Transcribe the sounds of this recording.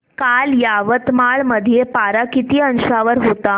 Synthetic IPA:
kaljaʋət̪maɭməd̪ʱijepaɾakit̪iːənɕaʋəɾɦot̪a

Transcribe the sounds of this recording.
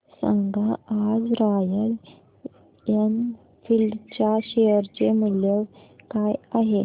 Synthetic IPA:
sə̰ŋɡʱaad͡zɾajə | jan | fildt͡ɕjaɕeəɾt͡ɕeməljəkajaɦe

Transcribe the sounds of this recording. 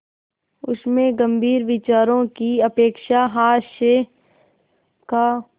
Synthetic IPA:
ʊsmẽɡə̃mbʱiːɾʋɪt͡ʃaːɾõkiɐpeːkʃaɦaːʃe | ka

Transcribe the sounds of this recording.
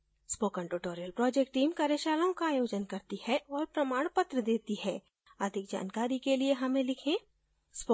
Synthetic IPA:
spoːkə̃ɳʈuʈoːɾijəlpɾɔːd͡ʒek̚ʈ̚ːiːmkaːɾjəʃaːlõkaːjoːd͡ʒənkɐɾt̪ihɛʔɔːɾpɾɐmaːɽ̃pət̪ɾəd̪eːt̪iɦɛː | əd̪ʱɪk̚d͡ʒa̰ːnkaːɾikelieɦɐmẽlɪkʰẽː | spo

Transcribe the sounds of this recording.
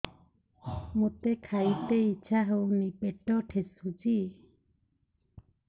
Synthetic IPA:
mot̪ekʰajt̪eit͡ʃʰaɦownipeʈɔʈʰesud͡ʒi

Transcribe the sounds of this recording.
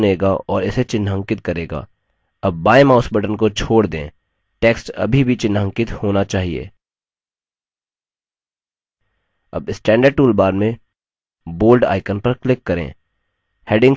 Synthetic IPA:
neːɡaɔːɾɪset͡ʃɪnːɦə̃ŋkɪt̪̚kɐɾeːɡa̰ː | ɐbːaːemaːʊsbəʈənkot͡ʃʰoːɽd̪ḛ̃ː | ʈeːksʈɐ̰bʱibʱit͡ʃɪ̃nɦə̃ŋkɪt̪hoːnat͡ʃaːɦiḛː | ɐ̰bɪsʈɛ̃ːɳɖəɾɖ̚ʈuːlbaːɾmẽ | boːlɖa̰ːɪkənpɐɾklɪkːɐɾḛ̃ː | heːɖɪ̃ŋ

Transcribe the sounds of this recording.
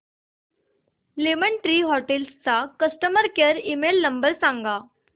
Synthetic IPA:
lemənʈɾiːɦɔʈelst͡sakəsʈəməɾkəɾimelːəmbəɾsãŋɡa

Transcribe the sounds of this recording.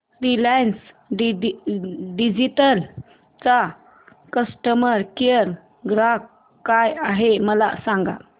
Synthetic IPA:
ɾilans | ɖi | ɖid͡ʑiʈəl | t͡sa | kəsʈəməɾkeəɾ | ɡɾak | kːajaɦeməla̰sãŋɡa̰

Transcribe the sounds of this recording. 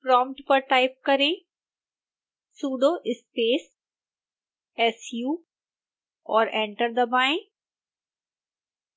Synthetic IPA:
pɾɔ̃ːmʈpəɾʈaːɪp̚kɐɾẽ | suːɖoʔɪspeːs | ɛsjuː | ɔːɾɛ̃ːɳʈəɾd̪əbaːɪ̃

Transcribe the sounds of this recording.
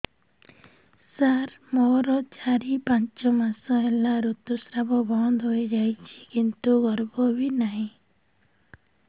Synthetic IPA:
saɾ | moɾɔt͡ʃaɾipant͡ʃɔmasɔelaɾut̪ːusɾabɔbɔnd̪ɦoed͡ʒajt͡ʃʰi̥kint̪uɡɔɾbɔbinaɦĩ

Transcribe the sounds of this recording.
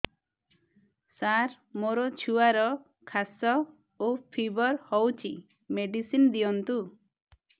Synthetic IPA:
saɾ | moɾɔt͡ʃʰuaɾɔ | kʰasɔ | opʰibɔɾhɔwt͡ʃʰḭ | meɖisind̪ijɔnt̪u

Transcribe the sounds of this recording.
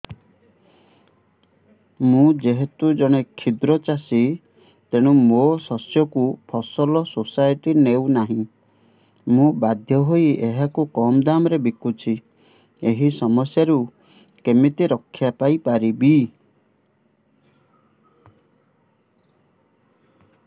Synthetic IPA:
mũd͡ʒeɦet̪ud͡ʒɔɽ̃ekʰid̪ɾɔt͡ʃasi | t̪eɽ̃ũmosɔsjɔkupʰɔsɔlɔsosajʈinewnaɦĩ | mũbad̪ʱjɔɦoieɦakukɔmd̪amɔɾebikut͡ʃʰi | eɦisɔmɔsjaɾu | kemit̪iɾɔkʰːjapajpaɾibi

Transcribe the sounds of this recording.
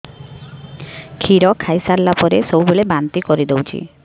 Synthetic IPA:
kʰiɾɔkʰajsaɾlapɔɾesɔwbulebant̪ikɔɾid̪ewt͡ʃʰḭ

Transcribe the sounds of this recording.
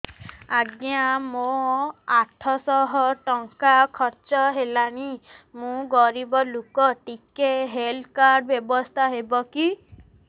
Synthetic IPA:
aɡjãmoaʈʰɔsɔɦɔʈɔŋkakʰɔɾt͡ʃɔɦelañimũɡɔɾibɔlokɔʈikeɦelkaɾɖbjɔbɔst̪ʰaɦebɔki

